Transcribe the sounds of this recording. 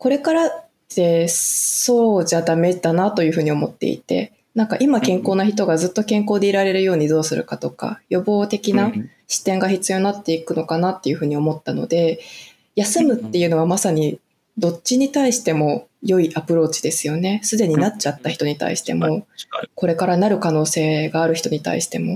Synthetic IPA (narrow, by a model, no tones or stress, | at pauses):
ko̞ɾe̞kaɾa | d̪̥e̞so̞ːd͡ʑad̪ame̞d̪anat̪o̞jɯ̟ɸɯ̟ːɲ̟io̞mo̞t̪ːe̞̰ḭt̪e̞̰ | nãŋkaʔimakẽ̞ŋko̞ːnaçit̪o̞ɡazɨt̪ːo̞kẽ̞ŋko̞ːd̪e̞iɾaɾe̞ɾɯ̟jo̞ːɲ̟id̪o̞ːsɨɾɯ̟̰kat̪o̞ka̰jo̞bo̞ːt̪e̞kʲina | ɕi̥t̪ẽ̞ŋɡaçit͡sɨjo̞nat̪ːe̞ikɯ̟no̞kanat̪ːe̞jɯ̟ɸɯ̟ːɲ̟io̞mo̞t̪ːano̞̰d̪e̞ | jasɨmɯ̟t̪ːe̞jɯ̟ːno̞β̞amasaɲ̟i | d̪o̞t͡ɕiɲ̟it̪aiɕi̥t̪e̞mo̞jo̞iʔapɯ̟ɾo̞ːt͡ɕi̥d̪e̞sɨjo̞ne̞sɨd̪e̞ɲ̟inat͡ɕat̪ːaçi̥t̪o̞ɲ̟it̪a̰ḭɕi̥t̪e̞̰mo̞ko̞ɾe̞kaɾanaɾɯ̟kano̞ːse̞ːɡaːɾɯ̟çi̥t̪o̞ɲ̟it̪a̰ḭɕi̥t̪e̞mo̞